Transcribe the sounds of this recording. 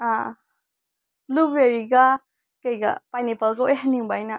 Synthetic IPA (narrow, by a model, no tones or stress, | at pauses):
a | lubeɾiɡa | kejɡa̰pajnipalɡajɦaniŋbajna